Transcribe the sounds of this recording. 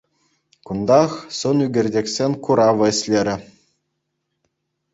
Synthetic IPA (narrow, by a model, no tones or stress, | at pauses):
kund̪ɑχsɤnyɡʲɘ̆rʲdʲekʲsʲenʲkuɾɑʋɤ̆ɘ̆sʲlʲeɾʲɘ̆